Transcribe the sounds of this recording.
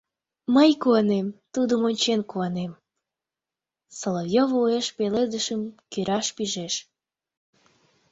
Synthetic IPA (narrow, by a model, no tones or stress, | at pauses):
məjkuɑnemt̪ud̪əmonʲt͡ɕenkuɑnem | solovjovueʃpeled̪əʃəmkyɾʔɑʃpiʒeʃ